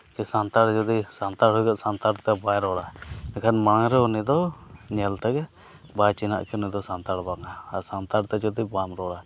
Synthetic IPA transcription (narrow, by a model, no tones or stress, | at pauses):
kisant̪aɽd͡ʒɔd̪isant̪aɽɦɔjɡaʔsant̪aɾt̪ɛbajɾɔɽanɛkʰanmaɽ̃aŋɾɛɔnid̪ɔɲɛlt̪ɛɡɛ | bat͡ʃina̰ʔkʰɛnid̪ɔsant̪aɽbaŋaasant̪aɽt̪ɛd͡ʒɔd̪ibamɾɔɽa